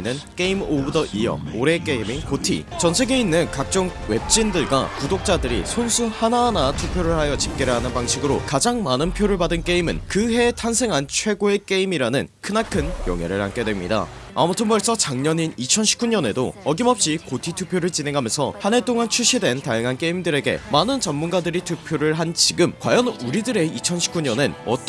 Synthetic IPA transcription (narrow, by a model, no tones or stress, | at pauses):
nɯnk͈e̞imobɯdʌʔijʌ̰oɾe̞k͈e̞imiŋkotʰḭ | t͡ɕʌnsʰe̞ɡe̞inːɯnkak̚t͡ɕ͈ʌŋ | we̞p̚t͡ɕ͈indɯɭɡwa̰kudok̚t͡ɕ͈adɯɾḭsʰonsʰuhananatʰupʰjoɾɯɭhajʌt͡ɕip̚k͈e̞ɾɯɭɦanɯnpaŋɕʰiɡɯɾokad͡ʑaŋmanɯnpʰjoɾɯɭpadɯnk͈e̞imɯ̰nkɯɦe̞tʰansʰe̞ŋɦant͡ɕʰwe̞ɡoe̞k͈e̞imiɾanɯnkʰɯnakʰɯnjʌ̰ŋɦe̞̰ɾɯɭha̰nk͈e̞dwemɲḭda̰ | a̰mʌtʰɯnbʌɭs͈ʌt͡ɕaŋɲʌɲinit͡ɕʰʌnɕʰi̥p̚k͈uɲʌne̞do̰ʌɡimʌp̚ɕ͈ikotʰitʰupʰjoɾɯɭt͡ɕine̞ŋɦamjʌnsʰʌ̰hane̞t͈oŋant͡ɕʰuɕʰidwe̞ntajaŋɦank͈e̞imdɯɾe̞ɡe̞̰manɯnt͡ɕʌmːunɡadɯɾitʰupʰjoɾɯɭɦant͡ɕiɡɯmkwa̰jʌnuɾidɯɾe̞it͡ɕʰʌnɕʰi̥p̚k͈uɲʌnenʌ̰t͈